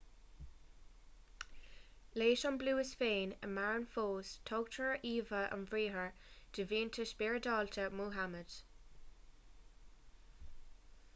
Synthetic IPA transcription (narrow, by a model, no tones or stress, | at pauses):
leːʃɔnbluːɪsfeːnə̰maɹənfoːstʰɔɡ̥̚tʰəɹəʔiːvəʔə̰nvɹiːɦəɹd̥ɪviːntʰəsb̥iɹədɔːltʰəmuːɦaməd̥